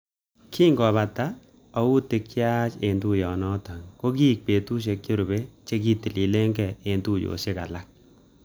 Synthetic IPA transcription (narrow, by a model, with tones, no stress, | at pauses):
kʰiː˦ŋɡɔ˨βa˨ta˦ | ɔ˨wu˦te˨˧kja˦t͡ʃe˨ntu˦jɔ˨nɔ˦ta˨ŋko˦ki˦˨k̚pe˨tu˦ʃ̬e˨kje˦ɾu˨be˦t͡ʃe˦k̬i˦ti˨li˨le˦ŋɡɛ˨e˨ntu˦jo̰˨ʃe˦ka̰˨la˦k̚